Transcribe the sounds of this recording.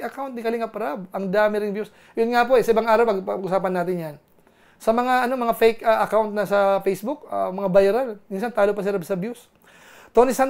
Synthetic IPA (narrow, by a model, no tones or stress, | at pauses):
ʔɐkawnt̪̚nɪkɐlɪŋɐpɾabʔɐŋd̪aːmɪɾɪŋbjus | jʊnŋapoʔɛsɐʔɪbaŋʔaːɾɐwpɐɡpɐɡʔʊsaːpɐnːaːt̪ɪnjan | sɐmɐŋaʔɐno̞mɐŋafɛjkaʔɐkawnt̪̚nɐsɐfejsbʊk̚amɐŋabajɾɐlminsant̪aːlopɐs̬ɪɾɐbsɐbjus | t̪onɪsan